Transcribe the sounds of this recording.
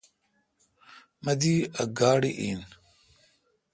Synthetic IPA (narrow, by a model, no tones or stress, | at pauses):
mɐd̪iːɐɡaːɽiʔiːn